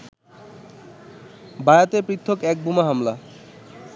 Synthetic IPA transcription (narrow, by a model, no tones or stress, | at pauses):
bajat̪epɾit̪ʰːokɛk̚bumaɦamla